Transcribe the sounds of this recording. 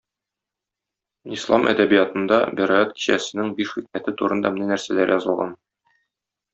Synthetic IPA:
islˠɑ̰mʔæ̰d̪æbijɑt̪ɤ̆nd̪ɑbiɾɑjɑt̪ki̥ɕæsɘ̆nɘŋbiʃχik̚mæt̪ɘt̪uɾɤ̆nd̪ɑmɘ̆nænæɾsælæɾjɒzɤ̆lˠʁɑn

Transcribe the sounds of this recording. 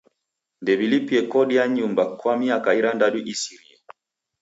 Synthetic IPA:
ndɛbilipiɛkɔɗiaɲumbakwamiakaiɾandaɗuʔisiɾia

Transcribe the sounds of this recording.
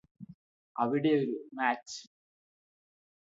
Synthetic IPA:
ʔɐʋɪɽeːɔɾɯmaːt͡ʃ

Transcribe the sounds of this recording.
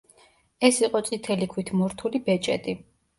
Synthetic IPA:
ɛsiqʼɔt̪sʼit̪ʰɛlikʰwit̪ʰmɔɾt̪ʰulibɛt͡ʃʼɛt̪ʼi

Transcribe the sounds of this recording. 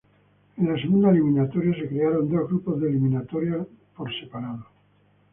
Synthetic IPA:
ẽnlas̬eɣund̪aeliminat̪oɾjasekɾeaɾond̪o̞zɣɾupozðeliminat̪oɾja | poɾsepaɾaðo

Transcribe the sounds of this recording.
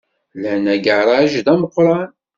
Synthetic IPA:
lænæɡəɾˤɑʒd̪æməqːɾˤɑn

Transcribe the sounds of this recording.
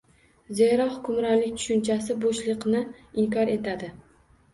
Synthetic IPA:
zeɾɒhʊkʲʰʊmɾɒnlɪkʲt̪ʰʊ̥ʃʊnt͡ʃʰasɪboʃlɨqnɪɪŋkʰɒɾe̞t̪ʰad̪ɪ

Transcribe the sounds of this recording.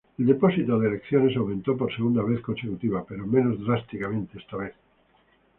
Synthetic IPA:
eld̪eposit̪oðeelekθjo̞ne̞sawmẽnt̪o̞p̬oɾseɣ̞und̪aβeθkõ̞nsekut̪iβape̞ɾomẽ̞nozðɾast̪ikamẽnt̪eest̪aβeθ

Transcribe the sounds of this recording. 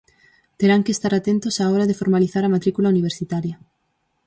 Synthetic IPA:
t̪eɾaŋkest̪aɾat̪ent̪ʊsaɔɾaðefoɾmaliθaɾamat̪ɾikulauniβ̞eɾsit̪aɾjɐ

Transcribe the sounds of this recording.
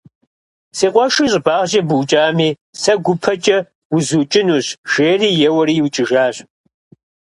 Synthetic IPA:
seːqʷʼɔʃɨɕʼbaːʁʒɐbɨwt͡ʃʼaːmiː | sɐɡʷʊpʰɐt͡ʃʼɐ | wʊzuːt͡ʃʼɪnuːɕʒ̥eːriːjɛwɐɾiːwt͡ʃʼɪʒaːɕ

